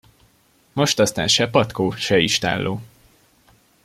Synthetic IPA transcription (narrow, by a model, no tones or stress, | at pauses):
mo̞ʃt̪ɒst̪a̰ːnʃɛpɒt̪koːʃɛiʃt̪a̰ːlːʔoː